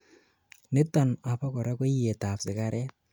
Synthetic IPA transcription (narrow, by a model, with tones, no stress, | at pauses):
nɪ˦tɔ˨na˨pɔ˦kɔ˨ɾa˦kɔ˦je˨ta˨psɪ˨ka˨ɾʔɛ˦t̚